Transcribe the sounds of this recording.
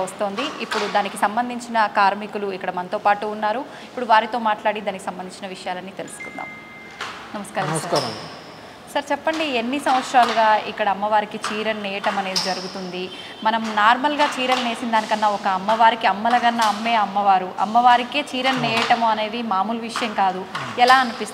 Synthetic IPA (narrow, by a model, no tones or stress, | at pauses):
ɐst̪o̞ːnd̪iipːuɽud̪aːnikisɐmbɐnd̪ʱiɲt͡ʃinɐkaːɾmikuluikːɐɽɐmɐnɐt̪o̞ːpaːʈuːnːaːɾu | ipːuɽuʋaːɾit̪o̞ːmaːʈlaːɽid̪aːniki̥sɐmbɐniɲt͡ʃinɐʋiʂɐjaːlɐnːit̪e̞lusu̥kund̪a̰ːm | nɐmɐskaːɾɐɐkaɾɐ | sɐɾt͡ʃɛpːɐɳɖienːisɐ̃mʋɐt̪sɾaːluɡaːikːɐɽɐːmːɐʋaːɾikit͡ʃiːɾɐnːɛːjɐʈɐmɐne̞ːd̪id͡ʒɐɾuɡut̪und̪i | mɐnɐmnaːɾmɐlɡaːt͡ʃiːɾɐlɐne̞ːsind̪aːnikɐnːaɔkɐːmːɐʋaːɾikiɐmːɐlɐɡɐnːɐːmːe̞ːɐmːɐʋaːɾuʔɐ̰mːɐʋaːɾikeːt͡ʃiːɾɐnːɛːjɐʈɐmuɐne̞ːd̪imaːmuːlɐʋiʂɐjɐmkaːd̪uɛlaːɐnipist̪